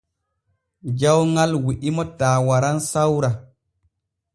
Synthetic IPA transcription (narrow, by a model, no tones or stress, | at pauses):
d͡ʒawŋalwiʔimɔtaːwaɾansawɾa